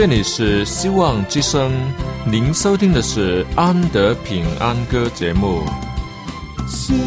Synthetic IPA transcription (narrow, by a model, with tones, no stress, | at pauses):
ɛ˥˩ni˨˩ʂɻ̩˥˩ɕi˥wɑ˥˧ŋt͡ɕi˥ʂɤ˥ŋni˧˥nʂo˥ʊt̪ʰi˥ŋd̪ə˨ʂɻ̩˥˩a˥nt̪ə˧˥pʰi˨˩ŋa̰˥nkɤ˥t͡ɕjɛ˧˥mu˥˩